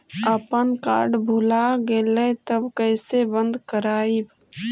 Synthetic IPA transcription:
əpənka̰ːɾɖbʱulaɡelət̪əbkəɪsebə̃nd̪ʱkəɾaːib

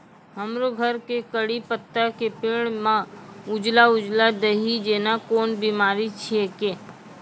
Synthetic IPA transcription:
ɦəmɾoɡʱəɾkekəɽipət̪ːakepɪːɽ̃mãʊd͡ʒlaʊd͡ʒlad̪əɦid͡ʒeːnakoːnbimaːɾit͡ʃʰieke

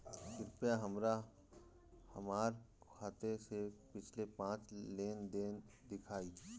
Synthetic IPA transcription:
sɪɾpjaɦɐmɾa | hɐmaːɾkʰaːt̪esepɪt͡ʃʰlepãːt͡ʃleːnd̪eːnd̪ɪkʰaːi

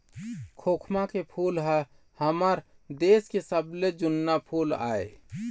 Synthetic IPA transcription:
kʰokʰmakepʰulɦə | həməɾd̪eskesəbled͡ʒunːapʰula̰e

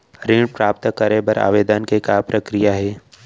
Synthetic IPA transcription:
ɾĩːɽpɾaːp̚t̪kəɾebəɾa̰ːʋeːd̪ənkekaːpɾɐkɾijaɦɛː

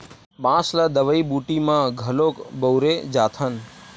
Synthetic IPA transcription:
bãslad̪əʋəibuʈimãɡʱəlokbəwɾed͡ʒat̪ʰən

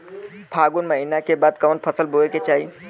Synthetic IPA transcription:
pʰaːɡunməɦinakebaːd̪kəʋənpʰəsəlbʱoeket͡ʃaːɦi

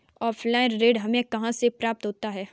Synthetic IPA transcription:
ɔːfʰlaːɪnɾeːɖɦɐmẽkɐɦãsepɾaːp̚t̪ɦoːt̪aɦɛː

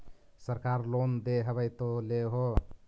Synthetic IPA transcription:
səɾkaɾlond̪eɦəβəjt̪oleɦo

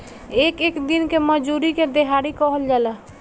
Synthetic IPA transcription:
ekekd̪inkeməd͡ʒuɾiked̪eɦaɾikɔɦəld͡ʒalə

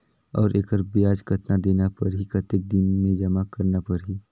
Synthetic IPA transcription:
ɔ̰ːɾʔeːkəɾbiaːd͡ʒkʰət̪nad̪eːnapɐɾɦikət̪ːɪk̚d̪ɪnmẽd͡ʒɐmakɐɾnapɐɾɦiː

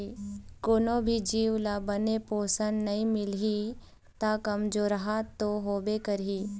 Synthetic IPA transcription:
koːnõbʱid͡ʒiːʋlabənepoːsənnɐɦĩmɪlɦi | t̪akɐmd͡ʒoːɾɐɦat̪oɦoːbekəɾiː

